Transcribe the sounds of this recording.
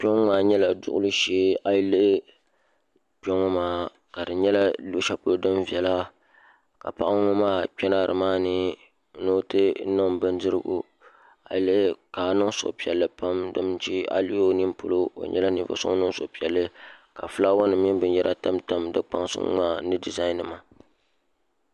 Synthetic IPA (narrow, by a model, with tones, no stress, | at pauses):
po˦ŋ˦maː˨ɲɛ˦la˨dʊ̰˨ʔʊ˦lɨ˦ʃeː˦a˦jlɨ˦ʔ | po˦ŋɔ˦maː˨ | ka˨dɨ˨ɲɛ˦la˦lo˦ʃa˦pʊ˦lo˦dɨ˦m˦vɛ˨la˦ | ka˨pa˦ʔa˦ŋʊ˦maː˦k͡pɛ˦na˦˨ɾɨ̰˨maː˦nɨ˦ | no˦tɨ˦nɨ˦m˨bɨ˦ndɨ˦ɾɨ̰˦ɡṵ˦ | a̰˨le˦kaː˨nɨ˦ŋ˦sʊ̰˨ʔpi˨ɛ˨lːɨ˦pa˦mdɨ˦mn˦t͡ʃi˦a̰˦li˦o˦ni˦m˦po̰˦lo˦o̰˨ɲʔɛ̰˦la˦nḭ˨˦vo̰˦sʊ̰˦nɨ˦ŋ˦so˨pi˨ɛ˨lːɨ˦ka˨fɨ˦la˦wa˦nɨ˨mi˦bɨ˦n˦jɛ˦ɾʔa˦ta˦mta˦mdɨ˦k͡pa̰˦ŋsʊ̰˦ŋ˦ŋaː˦nɨ˦di˨za˦nɨ˨ma˨